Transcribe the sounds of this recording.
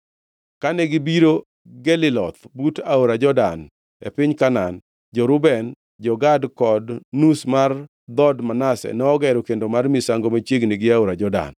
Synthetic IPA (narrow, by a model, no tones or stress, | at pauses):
kanɛɡɪbiɾo | ɡɛlɪlɔt̪butaoɾad͡ʒɔdan | ḛpɪɲkanan | d͡ʒɔɾʊbɛn | d͡ʒɔɡadkɔdnusmar | d̪ɔdmanasɛ̰nɛɔɡɛɾɔkendomarmisaŋɡomat͡ʃeɡniɡɪaoɾad͡ʒɔda̰n